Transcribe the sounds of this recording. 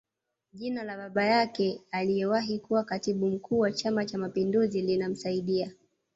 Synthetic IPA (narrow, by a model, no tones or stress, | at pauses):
ʄinalaɓaɓajakɛalijɛwaɦikuwakatiɓum̩kuːwat͡ʃamat͡ʃamapinduzilinam̩saiɗia